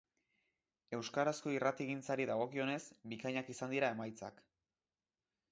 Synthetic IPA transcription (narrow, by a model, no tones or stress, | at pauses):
e̞wskaɾasko̞irat̪iɣ̞int͡saɾiðaɣ̞o̞kio̞ne̞sbikaɲakisand̪iɾae̞majt͡sa̰k